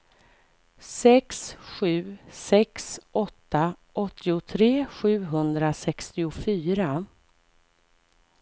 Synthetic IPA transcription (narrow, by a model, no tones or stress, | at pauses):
sɛksɧʉ̟ːsɛksʔɔt̪ːaʔɔt̪ʰːɪʊt̪ʰɾeːɧʉ̟ːɦɵnd̪ɾasɛkst̪ɪʊfyːɾa